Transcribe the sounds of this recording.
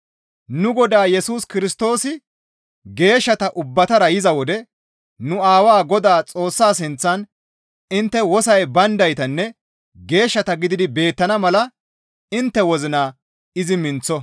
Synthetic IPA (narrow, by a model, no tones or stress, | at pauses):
nʊɡɔd̪aːjɛsuːskɪɾɪst̪o̞ːsɪ | ɡe̞ːʃːɐt̪ɐʔʊbːɐt̪ɐɾɐjɪzɐwɔd̪ɛ | nʊaːwaːɡɔd̪aːt͡sʼo̞ːsːaːs̬ɪnt͡sːɐn | ɪnt̪ːɛwɔsɐjbɐnd̪ɐjt̪ɐnːɛ | ɡe̞ːʃːɐt̪ɐɡɪd̪ɪd̪ɪbe̞ːt̪ːɐnɐmɐlɐ | ɪnt̪ːɛwɔzɪnaː | ɪzɪmɪnt͡sːɔ